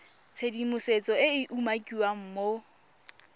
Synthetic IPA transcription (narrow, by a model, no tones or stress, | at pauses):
t͡sʰedimʊset͡sʼɔɪɪʔumakʼiwam̩mo